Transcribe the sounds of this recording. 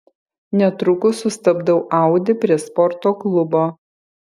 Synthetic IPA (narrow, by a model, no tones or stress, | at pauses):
nʲɛt̪ɾʊkʊsʊst̪ɐbd̪ɐʊʔɑˑʊd̪ʲɪpʲɾʲiɛspɔɾt̪oːklˠʊboː